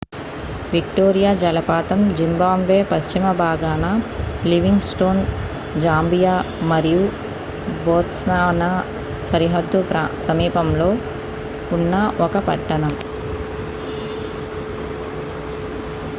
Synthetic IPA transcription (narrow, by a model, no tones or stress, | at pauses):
ʋikʈoːɾijaːd͡ʒɐlɐpaːt̪ɐmd͡ʒimbaːmʋeːpɐʃt͡ʃimɐbʱaːɡaːnɐliʋiŋɡsʈoːn | d͡ʒaːmbijaːmɐɾiju | boːt̪snaːʋɐnɐ | sɐɾiɦɐd̪ːupɾasɐmiːpɐmlo̞ː | unːɐʔɔkɐpɐʈːɐnɐm